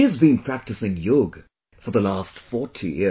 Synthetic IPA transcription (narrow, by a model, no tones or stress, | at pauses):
iɨzbĩnpʰɹ̥æk̚tɨsɪ̃ŋjʊɡ | fəðəlastfɔtʰḭjɪ